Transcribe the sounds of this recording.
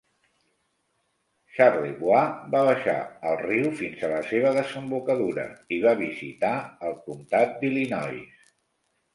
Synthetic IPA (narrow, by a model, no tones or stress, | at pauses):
ʃarliβwabaβ̞əʃa̰əlˠriwfinzələseβ̞əðəzəmbukəðuɾə̰iβaβ̞izit̪aəlˠkumt̪at̪̚d̪ilinɔjs